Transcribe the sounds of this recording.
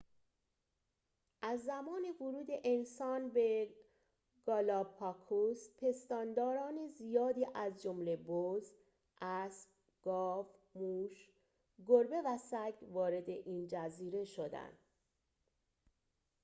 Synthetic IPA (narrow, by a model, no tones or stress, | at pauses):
ʔæzːæmɒːne̞voɾuːd̪e̞ʔensɒːnbe | ɡ̥ɒːlɒːpʰɒkʰuspʰe̞st̪ɒːnd̪ɒːɾɒːnezijɒːd̪iːʔæzd͡ʒomle̞boz | ʔæsb | ɡ̥ɒːfmuʃ | ɡoɾbe̞væsæɡvɒːɾe̞d̪e̞ʔiːnd͡ʒæziːɾe̞ʃo̞d̪æ̰nd̪̥